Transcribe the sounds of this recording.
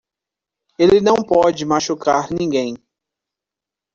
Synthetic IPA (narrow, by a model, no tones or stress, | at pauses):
elɪnɐ̃w̃pɔd͡ʒɪmaʃukaɾnĩŋɡẽj̃